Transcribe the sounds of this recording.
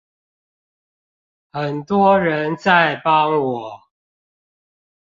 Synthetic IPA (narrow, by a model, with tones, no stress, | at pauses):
xə˨˩nt̪wɔ˦ɻə˨˦nt͡sa˥˨ɪpɑ˦ŋwɔ˨˩˦